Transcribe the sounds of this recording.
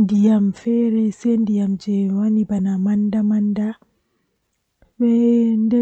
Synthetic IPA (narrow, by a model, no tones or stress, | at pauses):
ndijamfɛɾɛsendijamd͡ʒɛwanibanamandamanda | ɓɛndɛ